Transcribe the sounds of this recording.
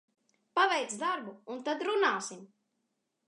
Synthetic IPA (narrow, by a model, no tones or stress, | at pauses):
pavɛjt̪sd̪aɾbuːnt̪ad̪ɾunaːsim